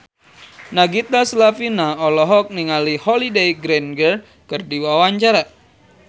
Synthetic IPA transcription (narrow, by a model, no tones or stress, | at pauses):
naɡit̪asəlafinaɔlɔɦɔk̚niŋalihɔlidejɡɾɛnɡər | kɨrdiwawaɲt͡ʃaɾa